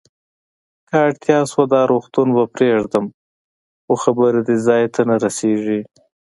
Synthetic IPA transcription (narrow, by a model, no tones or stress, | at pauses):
kaːɽt̪jɑswad̪ɑɾuxt̪unbapɾeʐd̪əm | xoxabəɾed̪izɑjt̪anaɾaseʐi